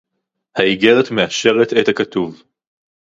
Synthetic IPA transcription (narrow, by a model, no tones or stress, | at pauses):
haiɡe̞ʁetmeaʃe̞ʁet̪ethakatuv